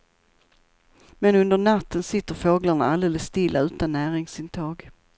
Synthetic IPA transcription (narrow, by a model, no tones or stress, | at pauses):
mɛnɵnd̪əɳat̪ːənsɪt̪ːəɾfoːɡlaɳaald̪eːləsst̪ɪlːaʉ̟ːt̪anːæːɾɪŋsɪnt̪ʰɑːɡ